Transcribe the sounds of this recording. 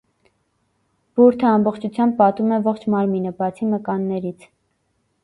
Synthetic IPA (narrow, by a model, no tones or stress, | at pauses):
b̥uɾt̪ʰəɑmbɔχt͡ʃʰut͡sʰjɑmb̚pɑt̪umɛvɔχt͡ʃʰmɑɾminəbɑt͡sʰiməkɑnːɛɾit͡sʰ